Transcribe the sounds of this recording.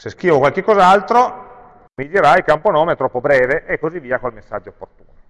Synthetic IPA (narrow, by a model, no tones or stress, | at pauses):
sesk̟iːvokwalkekːɔzalt̪ɾo | mid̪eɾajilkamponɔːmeɛt̪ɾɔpːobɾɛːveʔekːozivːiːakolmesːa̰d͡ʒːoopːort̪ṵːno